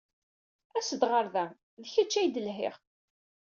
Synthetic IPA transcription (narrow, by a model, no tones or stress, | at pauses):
æsəd̪ʁəɾðæ | ðçæt͡ʃːæjd̪əlɦɪ̰ʁ